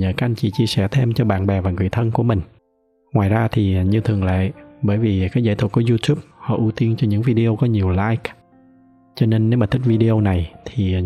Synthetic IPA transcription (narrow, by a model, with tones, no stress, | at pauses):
ɲəː˧˨˩kaː˨˦˥k̚ʔa˧ŋt͡ɕḭ˧˨t͡ɕi˧əsɛ˧˩t̪ʰe˧mt͡ɕɔ˧ɓa̰ː˧˨nɓɛ˨˩vaː˨˩ŋɨ̰˨˩əjt̪ʰə˧nku˧˩əmï˨˩ŋ̟ | ŋwaː˨˩jzaː˧t̪ʰi˨˩ɲɨ˧t̪ʰɨ˨˩əŋlḛː˧˨ɓəː˧˩jvi˨˩kaː˨˦jza̰ː˧˩t̪ʰwku˧˩˦zu˧t̪ʰu˦˥p̚hɔ̰˧˨˩ʔu˧t̪i˧ənt͡ɕɔ˧ɲɨ̰˧˥ŋvi˧ɗi˧ʔo˧kɔ˨˦ɲi˨˩əwlaː˧jk | t͡ɕɔ˧ne˧nːe˨˦wmaː˨˩t̪ʰi˦˥k̚vi˧ɗi˧ʔo˧na˨˩jt̪ʰi˨˩